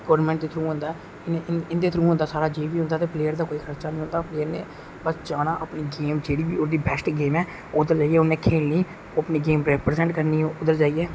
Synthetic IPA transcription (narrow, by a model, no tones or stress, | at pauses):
ɡoːɾmɛ̃ːɳʈd̪eːt̪ʰɾũːɦʊ̃nd̪aː | ɪnɪnd̪eːt̪ʰɾuːɦʊ̃nd̪aːsaːɾaːd͡ʒeːʋiːɦʊ̃nd̪aːt̪eːpleːəɾd̪aːkoːiːkʰəɾt͡ʃaːnə̃ĩːʊ̃nd̪aːpleːəɾnḛ̃ː | bəsd͡ʒaːnãːʔəpniːɡeːmd͡ʒeːɽiːbiʊɾd̪iːbɛsʈɡeːmɛː | ʊd̪əɾd͡ʒaːiɛːʊnẽːkʰeːlniː | oːəpniːɡeːmɾɛːpɾezɛ̃ɳʈkəɾniːʊd̪əɾd͡ʒaːiːɛː